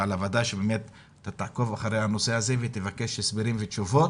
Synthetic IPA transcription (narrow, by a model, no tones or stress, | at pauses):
alavad̪aʃebeːmet̪ | at̪ːat̪aʕko̞vaχaɾejhano̞seazevet̪evake̞ʃesbiɾimveʃuvo̞t̪